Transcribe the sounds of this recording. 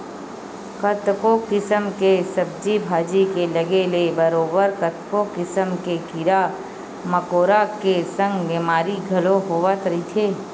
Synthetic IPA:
kət̪kokɪsəmkesəb̚d͡ʒibʱaːd͡ʒikelɐɡelebəɾoːbəɾkət̪kokɪsəmkekiɾa | məkoːɾakesə̃ŋɡbeːmaːɾiɡʱɐloɦoːʋət̪ɾɐit̪ʰeː

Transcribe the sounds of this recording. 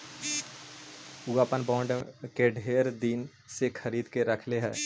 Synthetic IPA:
uapənbɔ̃ːɳɖkeɖʱeːɾd̪in | sekʰəɾiːd̪keɾəkʰleɦɛː

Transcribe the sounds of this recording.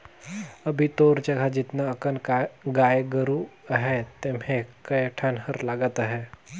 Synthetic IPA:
əbʱit̪oːɾd͡ʒəɡʱad͡ʒɪt̪naəkənɡaːjɡəɾuɦɛt̪emɦẽkəjəʈʰanhəɾlaːɡət̪ɦɛː

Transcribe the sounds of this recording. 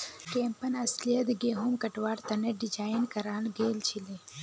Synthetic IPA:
keːmpɐnɐslijɐt̪ɡeːɦumkɐʈwaːɾt̪ɐneɖid͡ʒaːjnkɐɾaːlɡeːlt͡ʃʰile

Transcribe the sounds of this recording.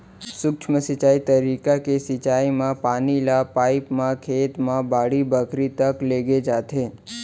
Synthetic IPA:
sʊkt͡ʃʰməsət͡ʃaːit̪əɾikakesɪt͡ʃaimãpaːnilapaːipmãkʰeːt̪mãbaːɽibəkɾit̪əkleːɡed͡ʒaːt̪ʰe

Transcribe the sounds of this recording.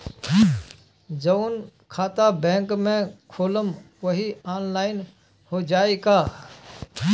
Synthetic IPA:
d͡ʒəʊnkʰaːt̪abɛ̃ːŋkmẽkʰoːləmʋəɦiaːnlaːɪn | hod͡ʒaːeka

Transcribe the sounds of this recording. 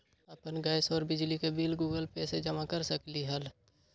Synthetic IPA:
əpənɡaːɪsɔːɾbɪd͡ʒlikebiːlɡuːɡəlpɛːsed͡ʒɐmakəɾsəkliɦɐl

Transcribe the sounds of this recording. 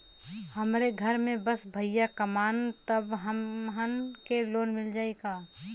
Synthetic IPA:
həmɾeɡʱəɾmẽbəsbʱəjjakəmaːnt̪əbɦəmɦənkeloːnmɪld͡ʒaːekaː

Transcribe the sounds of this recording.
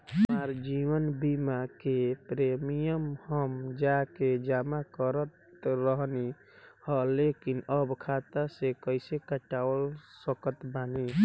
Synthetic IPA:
ɦəmaɾd͡ʒiwənbimakepɾemijəmhəmd͡ʒaked͡ʒamakəɾət̪ɾəɦni | həlekinəbkʰat̪asekəɪsekəʈawəlsəkət̪bani

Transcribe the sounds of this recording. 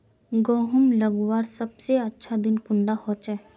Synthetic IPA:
ɡoːɦʊmlɐɡwaːɾsɐbseɐtːʃʰad̪ɪnkʊɳɖahɔːt͡ʃɛ

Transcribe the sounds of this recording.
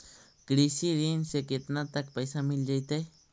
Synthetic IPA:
kɽisiɾinsaket̪nat̪ak̚pajsamild͡ʒajt̪aj

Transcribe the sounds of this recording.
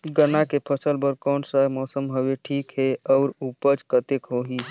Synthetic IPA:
ɡənakepʰəsəlbəɾkɔːnsəɦmɔːsəmɦoʋeʈʰiːkɦeɔːɾupət͡ʃkət̪ekɦoɦi

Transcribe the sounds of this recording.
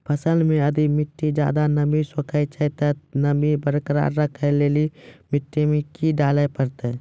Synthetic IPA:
pʰəsəlmẽɐd̪imɪʈːid͡ʒja̰ːd̪anɐbisokʰət͡ʃʰət̪ənəbibəɾkəɾa̰ɾəkʰeleːlimɪʈːemẽkiɖaːləpəɾt̪e

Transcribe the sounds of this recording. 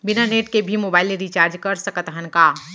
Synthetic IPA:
bɪnaneːʈkebʱimoːbaːɪleɾit͡ʃaːɾd͡ʒkɐɾsɐkət̪ɦənkaː

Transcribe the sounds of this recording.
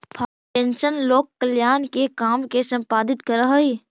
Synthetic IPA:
pʰaː | ʈẽːnʃənloːkːəljaːnkekaːmkesɐ̃mpaːd̪ɪt̪kəɾəɦəi

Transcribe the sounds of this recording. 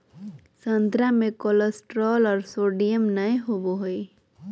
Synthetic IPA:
sənt̪ɾamẽkoləsʈɾɔlɔːɾsoɖijəmnəjɦoboɦoi

